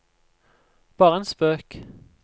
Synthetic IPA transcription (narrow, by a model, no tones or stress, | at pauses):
b̥ɑːʁəeːnspøːk